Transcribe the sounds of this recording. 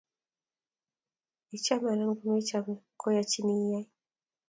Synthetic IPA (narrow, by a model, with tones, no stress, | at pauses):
i˨t͡ʃa˦ma˨la˦m˦ɡu˨mɛ˦t͡ʃa˦mɛ˨kɔ˦ja˨t͡ʃi˦ni˦ja˦j